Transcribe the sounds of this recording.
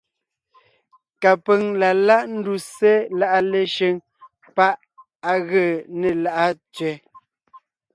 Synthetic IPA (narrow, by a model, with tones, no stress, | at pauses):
ka˨pə˨ŋla˨la˦ʔn̩˦du˨se˦la˦˨ʔa˦le˦ʃə˦ŋ | pa˦ʔ | a˨ɣə˦˨ne˨la˦ʔa˦t͡sɥɛ˦